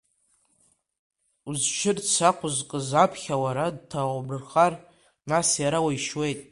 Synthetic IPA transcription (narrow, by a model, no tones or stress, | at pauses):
uzʃʰɪrt͡sʷʰaqʷʰʊzkʼɨzapʰχʲawaɾad̚tʰabɨrχar | nasjaɾawajʃwe̞jtʼ